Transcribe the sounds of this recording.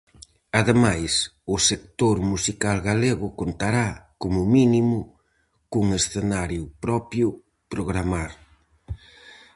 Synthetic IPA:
aðemajsʊsekt̪oɾmusikalɣaleɣʊkont̪aɾakomʊminimʊ | kuŋesθenaɾjʊpɾɔpjʊ | pɾoɣɾamaɾ

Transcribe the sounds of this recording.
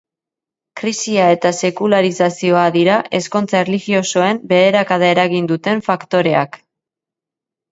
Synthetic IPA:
kɾisiae̞t̪ase̞kulaɾisasio̞aðiɾaʔe̞sko̞nt͡saerliɣio̞so̞e̞mbe̞ðe̞ɾakaðae̞ɾaɣind̪ut̪e̞ɱfakt̪o̞ɾe̞ak

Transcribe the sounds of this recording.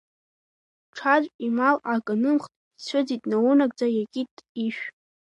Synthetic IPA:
ʈ͡ʂʰad͡ʒʷʼimalakʼanɨmχtʼ | t͡sʷʰɨd͡zitʼnawunaɡ̚ʼd͡zajakʲʼitʼiʃᶣ

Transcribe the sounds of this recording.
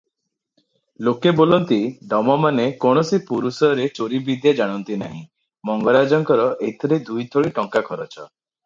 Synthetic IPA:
lokebolɔnt̪iɖɔmɔmanekɔɽ̃ɔsipuɾusɔɾet͡ʃoɾibid̪jad͡ʒaɽ̃ɔnt̪ina̰ɦḭ̃ | mɔŋɡɔɾad͡ʒɔŋkɔɾɔʔejt̪ʰɔɾed̪ujd̪ʰʱɔɽiʈɔŋkakʰɔɾɔt͡ʃʰɔ̰

